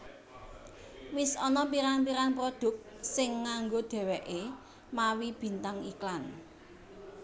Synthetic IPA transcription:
wɪsɔnɔpiɾanpiɾanpɾod̪̥ʊ̤k̚t̪̚sɪŋːaŋɡod̪̥ɛ̤wɛʔe | mawib̥i̤nt̪aŋiklan

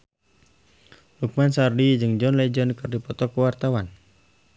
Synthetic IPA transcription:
huk̚mansardid͡ʒɨŋd͡ʒɔnlɛd͡ʒɔnkɨrdipɔt̪ɔkuwart̪awan

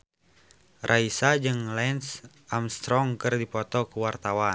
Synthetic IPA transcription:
rʔaisad͡ʒɨŋlɛns | ʔamst̪ɾɔŋkɨrdipɔt̪ɔkuwart̪awa

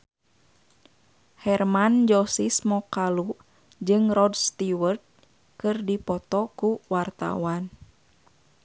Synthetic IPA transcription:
hɛrmand͡ʒɔsismɔkalu | d͡ʒɨŋrɔdst̪iwərd̪̚ | kɨrdipɔt̪ɔkuwart̪a̰wan

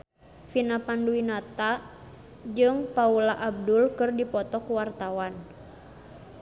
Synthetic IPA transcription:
finapanduinat̪a | d͡ʒɨŋpaulaʔab̚dulkɨrdipɔt̪ɔkuwart̪awan

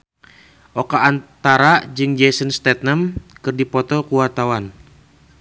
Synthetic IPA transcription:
ʔɔkaʔːnt̪aɾad͡ʒɨŋd͡ʒɛsənst̪ɛt̪̚nəmkɨrdipɔt̪ɔkuat̪awan

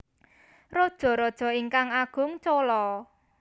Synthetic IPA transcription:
rod̥ʒ̥ɔ̤ɾɔd̥ʒ̥ɔ̤iŋkaŋaɡ̥ʊ̤ŋt͡ʃolɔ

